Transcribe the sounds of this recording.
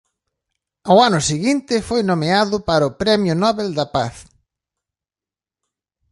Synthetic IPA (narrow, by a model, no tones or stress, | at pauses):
awanʊsiɣint̪ɪfojnomeaðʊpaɾɐʊpɾɛmjʊnɔβeld̪ɐpaθ